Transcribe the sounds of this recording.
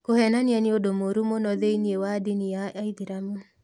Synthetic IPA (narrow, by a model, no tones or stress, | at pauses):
kohɛnanjaniodomoɾumonɔðeiniewadiniaaiðiɾamu